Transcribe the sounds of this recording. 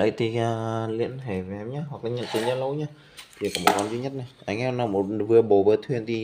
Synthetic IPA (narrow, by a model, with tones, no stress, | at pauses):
lə̰˧˥˦jt̪i˨˩a˨˩lḭ˧˥ənt̪ʰe˧˩vʔɛ˧˦mɲa˧˥ɦwa˨˩k̚a˧˦ɲə̰˧˨nt̪i˧˩ɲəː˧˦lə˧˦wɲaː˧ | t̪ʰi˨˩kɔː˨˩mo˨˩kwaː˧˦nzi˧˦ɲə˦˥t̚na˨˩jʔa˧jŋ̟ʔɛ˧˦mnaː˧mo˨˩t̚vɨ˨˩əɓo˨˩vɨː˧˩ət̪ʰwi˧˩ənt̪ʰi˨˩